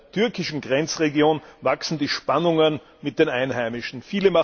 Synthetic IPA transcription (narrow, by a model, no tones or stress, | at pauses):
tʰʏɐkɪʃn̩ɡʁɛnt͡sʁeɡjoːnvaksn̩diːʃpanʊŋən | mɪt̚d̥eːnaɪnɦæɪmɪʃn̩fiːləma